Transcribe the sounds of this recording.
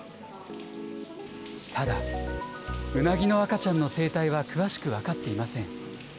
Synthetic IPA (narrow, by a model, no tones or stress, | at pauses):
t̪ʰad̪a | ɯ̟naɡʲino̞akat͡ɕãnːo̞se̞ːt̪aiβakɯ̟βaɕi̥kɯ̟βakat̪ːe̞imasẽ̞ŋ